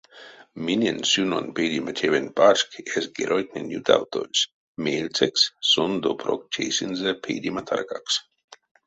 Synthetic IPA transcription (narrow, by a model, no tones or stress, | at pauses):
minʲensuno̰npejd̪ʲimat̪ʲʰevenbaʃkesɡeɾʔojk̚nʲenʲjut̪ʰa̰wt̪ʰolʲs | meːlʲt͡sʰekssond̪opʰɾok̚t͡ʃʰejsʲinzəpʰejd̪ʲimat̪ʰa̰rkaks